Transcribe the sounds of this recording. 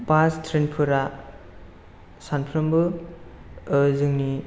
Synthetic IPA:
pastʰɾenpʰɯɾa | sanpʰɾɯmbɯ | ɯzɯŋni

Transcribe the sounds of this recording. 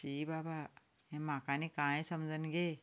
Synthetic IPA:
t͡ʃiːbaːba | ẽmãːkanẽkãːẽsɐmd͡ʒʱənɡeː

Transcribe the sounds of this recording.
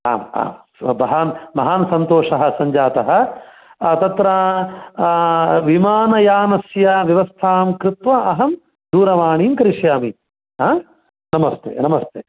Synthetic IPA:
a̰ːma̰ːm | bɐɦaːnmɐɦaːnɐsɐnt̪oːʂɐɦɐ̆sɐɲd͡ʒaːt̪ɐɦɐ̆ | t̪ɐt̪ɾɐ | ʋimaːnɐjaːnɐsjɐʋjɐʋɐst̪ʰaːmkɾɪt̪ʋɐʔɐɦɐm | d̪uːɾɐʋaːɳiːmkɐɾiʂjaːmi | ɦaː | nɐmɐst̪ʰḛːnɐmɐst̪ʰeː

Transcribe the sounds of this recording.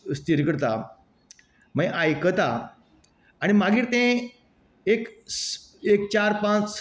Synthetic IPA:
st̪iɾkəɽt̪a | m̤əeʔajkət̪aː | ɽ̃imaɡʱiːɾt̪ẽ | ek | ek̚t͡ɕaɾpãt͡s

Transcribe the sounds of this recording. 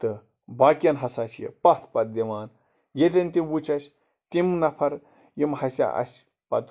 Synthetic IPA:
t̪ɨ | baːkʲɐnɦɐsat͡ʃʰjɐ̰pɐt̪ʰpɐt̪̚d̪iʋaːn | jet̪ʲɐnʲt̪iwut͡ʃɐsʲ | t̪imnɐpʰɐɾ | jimhɐsʲa̰ʔɐ̰sʲ | pɐ̰t̪

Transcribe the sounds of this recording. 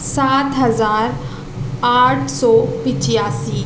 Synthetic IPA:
saːt̪ɦɐzaːɾ | aːʈʰsɔːpɪ̃t͡ʃɪjaːsiː

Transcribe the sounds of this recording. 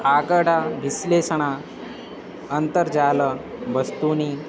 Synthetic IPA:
aɡəɽaʋislesəɳ̃a | ənt̪əɾd͡ʑaləbəst̪uniː

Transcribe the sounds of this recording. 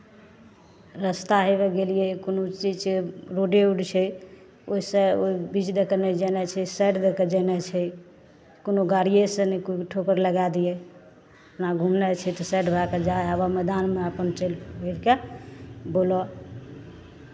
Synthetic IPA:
ɾəst̪aɦebɛɡelijɛkonot͡ʃid͡ʒeɾoɖeuɖt͡ʃʰɛ | oisə̃oibit͡ʃd̪ekənɛd͡ʒənɛt͡ʃʰɛsɛʈd̪ekəd͡ʒɛnɛt͡ʃʰɛ | konoɡaɾijesə̃nɛkoʈʰokəɾləɡad̪ijɛ | əpnaɡʱumnɛt͡ʃʰɛt̪ɔsɛʈbʱaked͡ʒaəbamɛd̪anmeəpənt͡ʃelbʱeɾke | bolɔ

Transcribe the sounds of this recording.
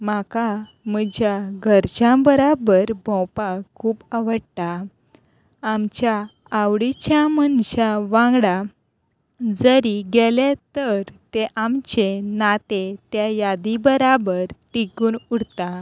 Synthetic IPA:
maka | məd͡ʑjaɡʱəɾt͡ɕãbəɾabəɾbʱɔ̃wpakʰuːpaʋəɽt̪a | amt͡ɕjaː | wɽit͡ɕjamənɕaʋãŋɡɽa | d͡zəɾiɡelet̪əɾt̪eʔamt͡ɕenat̪et̪jajad̪ibəɾabəɾʈikuːnuɽt̪a

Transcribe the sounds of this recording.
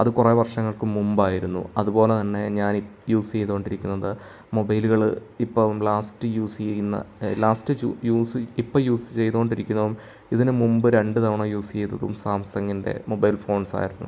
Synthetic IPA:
ɐðɨkure̞ːʋɐrʂɐŋːɐɭkɨmːumbaːjiɾunːṵɐðubo̞ːle̞t̪ɐnːe̞ɲaːnijuːst͡ɕe̞jt̪uoɳɖiɾikʲːunːɐðɨ | mo̞bɐjluɣɐɭɨipːɐmlaːstɨjuːsnːɐ̰laːstɨujuːsɨipːɐjuːsɨ̥t͡ɕe̞jt̪uoɳɖiɾikʲːunːɐʋum | iðinɨmumbɨɾe̞ɳɖɨt̪ɐʋɐɳɐjuːst͡ɕe̞jt̪ːɐðṵmsaːmsɐŋːinde̞̰mo̞bɐjlfo̞ːɳsa̰ːjiɾunːṵ

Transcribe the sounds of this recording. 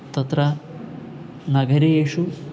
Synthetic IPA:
t̪ɐt̪ɾɐ | nɐɡɐɾejeːʃu

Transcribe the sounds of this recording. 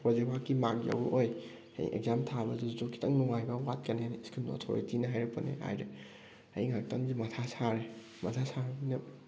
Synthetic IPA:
wazepʰakːimakja̰buʔoj | ajḭʔḛɡ̚zamtʰabɐzuzokʰi̥tɐŋnuŋajbɐwat̚kɐnenskʰino̰tʰo̰ɾḭtinɐɦajɾɐpɐnḛha̰jɾe | ɐ̰jŋak̚tɐŋzimɐtʰasaɾe | mɐtʰasaɾbnɐ

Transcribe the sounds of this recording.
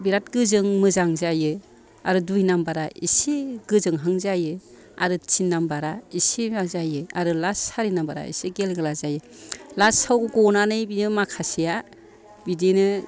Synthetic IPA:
biɾat̚ɡɯzɯŋmɯzaŋzajɯ | aɾɯdujnambaɾaḭsiɡ̥ɯzɯŋɦaŋzajɯ | a̰ɾɯt͡ʃinːambaɾaisiazajɯa̰ɾɯlasaɾinambaɾa̰ḭsiɡelɡɯlazajɯ | lasawɡɯɡɔnanɯjbimakʰasija | bidenɯ

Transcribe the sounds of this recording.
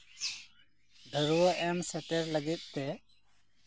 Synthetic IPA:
ɖ̪ʱəɾuʔɛːmsɛʈeɾləɡɪt̪̚ˀt̪ɛ

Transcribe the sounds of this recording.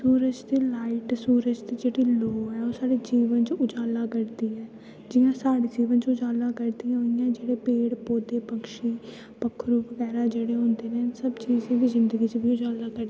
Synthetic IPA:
suːɾəd͡ʒt̪iːlaːɪʈsuːɾəd͡ʒt̪iːd͡ʒeːɽiːloːɦɛːoːsaːɽeːd͡ʒiːʋənt͡ʃʊd͡ʒaːlaːkəɾd̪iːɛː | d͡ʒɪjãːsaːɽeːd͡ʒiːʋənt͡ʃʊd͡ʒaːlaːkəɾd̪ijãːɦoɪjãːd͡ʒeːɽeːpeːɽpoːd̪eːpəkʃiː | pəkʰːɾuːbəɡɛːɾaːd͡ʒeːɽeːɦõːnd̪eːnẽːsəbt͡ʃiːzãːʋiːzɪnd̪əɡiːt͡ʃbiːʊd͡ʒaːlaːkəɾd̪i

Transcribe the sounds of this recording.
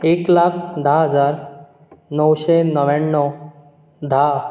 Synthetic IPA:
eklakʰd̪ʱaɦəd͡zaɾ | nəwɕenəʋaɳːɔ | d̪ʱa

